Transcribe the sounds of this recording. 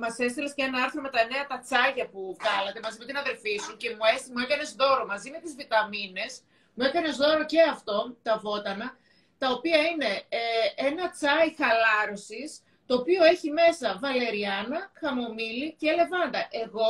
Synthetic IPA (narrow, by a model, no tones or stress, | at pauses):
mɐse̞st̪elescenɐɐɾθɾo̞met̪ɐne̞ɐt̪ɐt͡sɐʝɐpuɣɐlɐt̪e̞mɐzime̞t̪inɐðe̞ɾlfisuce̞muesmue̞kɐne̞zðo̞ɾo̞mɐzime̞t̪izvit̪ɐmine̞s | mue̞kɐne̞zðo̞ɾo̞ce̞ɐft̪o̞t̪ɐvo̞t̪ɐnɐ | t̪ɐo̞piɐine̞e̞nɐt͡sɐjxɐlɐɾo̞sis | t̪o̞ːpio̞e̞çime̞sɐvɐle̞ɾiɐnɐxɐmo̞milice̞le̞vɐnd̪ɐʔe̞ɣo̞